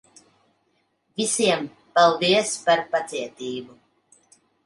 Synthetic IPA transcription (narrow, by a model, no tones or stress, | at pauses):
visiɛm | pɛlˠviɛspaɾpat̪siɛt̪iːbu